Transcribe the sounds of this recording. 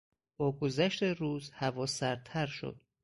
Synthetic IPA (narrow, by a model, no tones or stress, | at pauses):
b̥ɒːɡo̞zæʃt̪eruːzhævɒːsæɾt̪ʰæɾʃo̞̰d̪̥̚